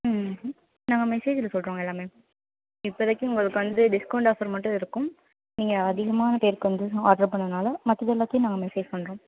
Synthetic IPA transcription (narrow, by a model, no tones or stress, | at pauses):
naːŋɡɐmɛseːd͡ʒɪlɐsɔlɾõːŋɡɐɛlːaːmeː | ɪpːoɪðɐkːɯ̃ʊŋɡɐɭɯkːɯʋɐnd̪ɯɖɪskɐʊɳɖaːfɐɾmɐʈːɯ̃ɪɾɯkːʊm | niːŋɡɐːðɪɣɐmaːnɐpeːɾkːɯʋɐnd̪ɯaːʈɐɾpɐɳːɐnaːlɐmɐt̪ːɐðɛlːaːk̪ːɐjnaːŋɡɐmɛseːd͡ʒpɐɳɾõː